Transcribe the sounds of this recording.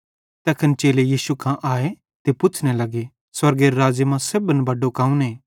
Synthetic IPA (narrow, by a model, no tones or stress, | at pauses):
t̪ɛːkʰənt͡ʃeːlejiːsukʰãʔaːe | t̪epʊt͡ʃʰnelɐɡe | swɐɾɡeɾɾaːd͡ʒmãsɐbənbɐɖokãːũneː